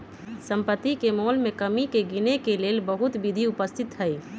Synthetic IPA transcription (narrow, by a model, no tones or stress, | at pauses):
səmpət̪ːikemoːlmẽkəmikeɡinekeleːlbəɦʊt̪bɪd̪ʱiʊpəst̪ʰɪt̪ɦəi